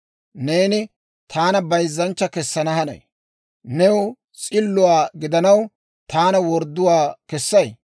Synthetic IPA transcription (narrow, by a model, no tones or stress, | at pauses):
neːnɪ | t̪ʰaːnɐbɐjzːɐnt͡ʃːɐkɛsːɐnɐhɐnɐ̰j | nɛwʊ | t͡sʼɪlːʊwaːɡɪd̪ɐnɐw | t̪aːnɐwɔɾd̪ːʊwaːkɛsːɐj